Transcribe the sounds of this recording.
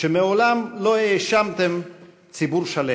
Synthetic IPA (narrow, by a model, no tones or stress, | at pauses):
ʃemeo̞lamlo̞eːʃamt̪em | t͡sibuʁʃale